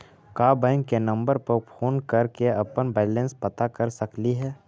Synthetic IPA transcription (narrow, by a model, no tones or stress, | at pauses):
kaːbɛ̃ŋkːenɐ̃mbəɾpəɾpʰoːnkɐɾkeɐpənbɛːlẽnspɐt̪akɐɾsɐkliɦɛː